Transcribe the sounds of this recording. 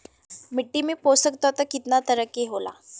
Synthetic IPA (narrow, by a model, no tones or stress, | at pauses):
miʈːimiːposək̚t̪ɔt̪əkit̪nat̪əɾəkeɦola̰